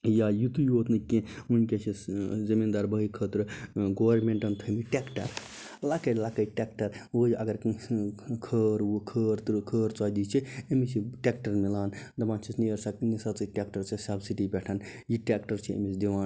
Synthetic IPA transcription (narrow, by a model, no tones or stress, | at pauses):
jajit̪ujot̪nɨkẽunket͡ʃʰizimind̪aɾbəɦikʰət̪ɾɨɡoʋɐɾmẽɳʈɐnt̪ʰemiʈekʈɐ̰ɾ | lakɐlakɐjʈekʈɐɾwojɐɡɐɾ | kʰəːɾwokʰəːɾt̪kʰəːɾt͡sɔjd̪it͡ʃʰiemisʰiʈekʈɐɾmilaːnd̪ɐmãːnt͡ʃʰisnijɐɾsɐknisat͡sɨʈʲekʈɐɾt͡ʃʰisɐbsiʈibʲɛʈʰɐn | jiʈekʈɐɾt͡ʃʰiḛmisd̪iʋãːn